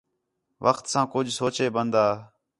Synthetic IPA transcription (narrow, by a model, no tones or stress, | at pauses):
ʋʔəxt̪sãːkʊd͡ʒʱsoːt͡ʃeːbənd̪aː